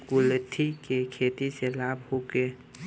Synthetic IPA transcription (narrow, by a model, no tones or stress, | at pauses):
kʊlt̪ʰikekʰeːt̪iselaːbhoke